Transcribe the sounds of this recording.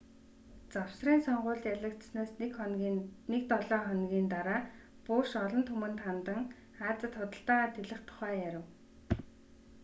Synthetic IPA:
t͡saw̥sriːnsɔɴɢʊːɮt̪jaɮə̆kt̪snaːs | nek̚t̪ɔɮɔːχɔnɡʲiːnt̪aɾaː | pʊːʃɔɮɞ̆nt̪ʰɵmɘ̆nt̪ʰant̪ə̆ŋ | aːt͡sə̆t̪χʊt̪ə̆ɬt̪aːʁaːt̪ʰeɮɘ̆χt̪ʰʊ̥χæːjæɾə̆w

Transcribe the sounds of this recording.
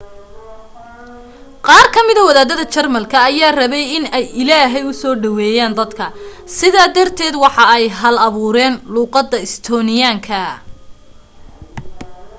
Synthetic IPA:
qɑːrkʰɐmɪðɐwɐðaːðɐðɐt͡ʃɐrmɐlkʰɐːjaːrɐβɛjɪnɛjɪlaːɦɛjʊsɔːɖɐwɛːjaːnd̪ɐd̪kʰɐ | sɪðaːd̪ɐrt̪ʰɛːd̪wɑħɑɛjɦɐlɐβuːɾɛːnluːqɑd̪ɐɪst̪ʰɔːnɪjaːŋkʰɐ

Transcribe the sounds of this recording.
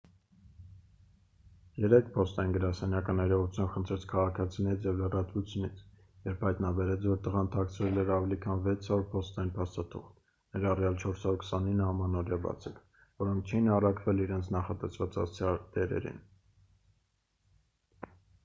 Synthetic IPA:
jɛɾɛkʰpʰɔst̪ɑjinɡəɾɑsɛnjɑkənɛɾɔʁut͡sʰjunχənt̪ʰɾɛt͡sʰkʰɑʁɑkʰɑt͡sʰinɛɾit͡sʰjɛvlərɑt̪vut͡sʰjunit͡sʰ | jɛɾpʰhɑjt̪nɑbɛɾɛt͡sʰvɔɾt̪əʁɑnət̪ʰɑkt͡sʰɾɛlɛɾɑvɛlikʰɑnvɛt͡sʰhɑɾuɾpʰɔst̪ɑjinpʰɑst̪ɑt̪ʰṵχt̪ | nɛɾɑrjɑlt͡ʃʰɔɾsɑuɾkʰsɑninːəhɑmɑnɔɾjɑbɑ̰t͡sʰik | vɔɾɔŋk̚ʰt͡ʃʰɛjinɑrɑkvɛliɾɛnt͡sʰnɑχɑt̪ɛsvɑt͡sɑst͡sʰɑd̪ɛɾɛ̰ɾḭn

